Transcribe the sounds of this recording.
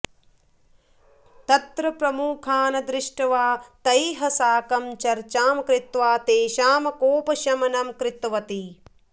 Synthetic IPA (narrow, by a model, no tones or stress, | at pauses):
t̪ɐt̪ɾɐpɾɐmuːkʰaːnɐd̪ɾɪʂʈɐʋaːt̪ɐjɦɐsaːkɐmt͡ʃɐɾt͡ʃaːmɐkɾɪt̪ʋaːt̪eːʃaːmɐkoːpɐʃɐmɐnɐmkɾɪt̪ʋɐt̪i